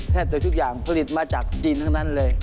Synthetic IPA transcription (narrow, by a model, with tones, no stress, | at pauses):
t̪ʰɛː˥˩p̚t̪u˧˦t͡ɕʰu˥˩k̚jaː˨˩ŋpʰa˧˥li˨˩t̪̚maː˧t͡ɕaː˨˩k̚t͡ɕi˧nt̪ʰaː˧˥˩ŋna˥˩˨nlɤː˧j